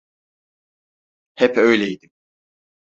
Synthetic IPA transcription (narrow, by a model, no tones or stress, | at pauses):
hɛpʰø̞jlʲejid̪im